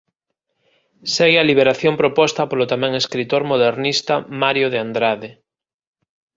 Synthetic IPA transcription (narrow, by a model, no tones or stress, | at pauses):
seɣealiβ̞eɾaθjompɾopɔst̪apolot̪amɛ̃ŋeskɾit̪oɾmoð̞eɾnist̪amaɾjoð̞eand̪ɾaðe